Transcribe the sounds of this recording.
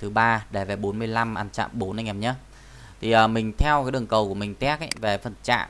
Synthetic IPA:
t̪ʰɨ˨˦ɓaː˧ɗe˧˩ve˨˩ɓo˨˦nmɨ˧əjla˧mʔaː˧nt͡ɕa̰ː˧˨mɓo˨˦nʔa˧ŋa˨˩ɲə˨˦ | t̪ʰi˨˩ʔəː˨˩mï˨˩ŋ̟t̪ʰɛ˧wkaː˨˦jɗɨ˨˩əŋkə˨˩wku˧˩əmï˨˩ŋ̟t̪ɛ˦˥k̚ʔə̰˧˦jve˨˩fə˨˩nt͡ɕa̰ː˧˨ʔ

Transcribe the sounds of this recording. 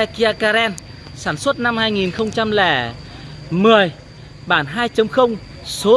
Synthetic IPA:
ɛ˧ki˧aː˧kaː˧ɾɛ˧n | saː˧˩nswə˦˥t̚na˧mhaː˧jŋi˨˩nxə˧wŋ͡mt͡ɕa˧mlɛ˧˩ | mɨ˨˩əj | ɓaː˧˩nɦaː˧jt͡ɕə˨˦mxə˧wŋ͡m | so˨˦

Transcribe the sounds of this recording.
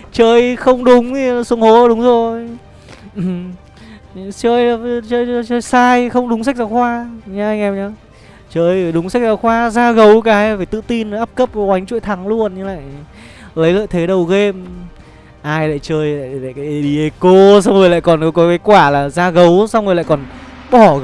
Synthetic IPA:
t͡ɕəː˧jxə˧wŋ͡mɗʊ˨˦ŋ͡mt̪ʰi˨˩˨su˨˦əŋho˨˦˧ɗʊ˨˦ŋ͡mzo˨˩jj | ʔm | t͡ɕəː˧ja˨˩t͡ɕəː˧jəː˧jt͡ɕəː˧jsaː˧jxə˧wŋ͡mɗʊ˨˦ŋ͡ms̬a˦˥k̚zaː˨˦wxwaː˧ɲa˧ʔa˧jŋʔɛ˧mɲa˨˦ | t͡ɕəː˧jɗʊ˨˦ŋ͡msa˦˥k̚zaː˨˧˩wxwaː˧zaː˧ɣə˨˦wkaː˨˦jve˨˩t̪ɨ̰˧˨t̪i˧n˨˦ʔaː˦˥p̚kə˦˥p̚kwa˨˦jŋ̟t͡ɕṵ˧˨jt̪ʰa˨˦ŋlu˧ənɲɨ˧la̰ː˧˨j | lə˨˦jlə̰ː˧˨jt̪ʰe˨˦ɗə˨˩wɣe˧m | ʔaː˧jla̰ː˧˨jt͡ɕəː˧ja̰ː˧˨jla̰ː˧˨kaː˨˦˧ɗi˧˩ʔə˨˦ko˧sa˧wŋ͡mŋɨ˨˩jla̰ː˧˨jkɔ˨˩nkɔ˨˦kɔ˨˦kaː˨˦jkwaː˧˩laː˨˩zaː˧ɣə˨˦wsa˧wŋɨ˨˩jl̰aː˧˨kɔ˨˩n | ɓɔ˧˩

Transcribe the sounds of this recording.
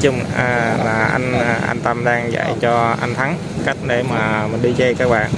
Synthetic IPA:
t͡ɕu˧ŋ͡mʔlaː˨˩ʔa˧jŋ̟˧˩ʔa̰˧nt̪ə˧mɗaː˧ŋza̰˧˩˨jt͡ɕɔ˧ʔa˧jŋt̪ʰa˨˦ŋ | ka˦˥jk̟̚ɗe˧˩˦maː˨˩mi˨˩ŋ̟ɗi˧t͡ɕe˧kaː˦˥k̚ɓa̰ː˧˨˩n

